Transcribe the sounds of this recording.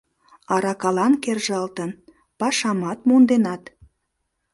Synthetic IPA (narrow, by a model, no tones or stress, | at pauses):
ɑɾɑkɑlɑnkerʒɑlt̪ən | pɑʃɑmɑt̪mond̪enɑt̪